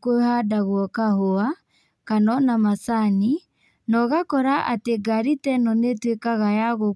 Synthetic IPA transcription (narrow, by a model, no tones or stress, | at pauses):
kohadaɣwɔkahoa | kanɔnamasani | nɔɣakɔɾaʔateɡaɾitɛnɔnetwekaɣajaɣo